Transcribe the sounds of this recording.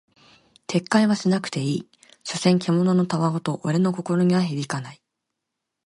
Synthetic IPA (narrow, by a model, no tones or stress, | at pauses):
t̪ʰe̞kːaiβaɕinakɯ̥t̪e̞iː | ɕo̞sẽ̞ŋkʲemo̞no̞no̞t̪aβaot̪o̞ʔːɾe̞no̞ko̞ko̞ɾo̞ɲ̟iβaçiɾʲikanai